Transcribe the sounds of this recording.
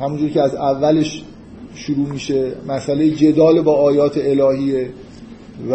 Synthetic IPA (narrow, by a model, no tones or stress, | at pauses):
hæmund͡ʒuːɾicʰʲeæzævːæleʃ | ʃuɾuːmiːʃemæsʔælejed͡ʒe̞d̪ɒːlebɒːɒːjɒːt̪ʰeelɒːhiːe | v